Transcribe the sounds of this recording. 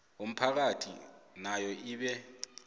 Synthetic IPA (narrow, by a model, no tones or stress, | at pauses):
um̩pʰak̬atʰḭnajɔiːɓɛ